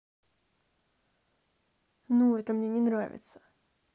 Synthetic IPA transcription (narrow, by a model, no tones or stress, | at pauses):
nuɛt̪əmnʲenʲɪnɾavʲɪ̰t̪sə̥